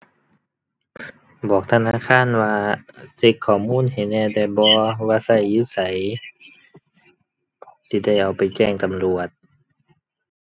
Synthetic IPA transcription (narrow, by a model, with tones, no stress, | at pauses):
bɔː˨˩k̚t̪ʰa˧naː˧˥˨kʰaː˧˥˨nwaː˧se˧˩k̚kʰːɔː˨˩muː˧˥˨nhe˨˩˦nɛː˧˨da˧˩bɔː˧˦waː˧˥sa˧˩jːuː˧˨sa˨˦j | siː˧˦da˥˩jʔa˨˩wpa˨jt͡ɕɛː˧˩ŋt̪a˨mlu˨ət̪̚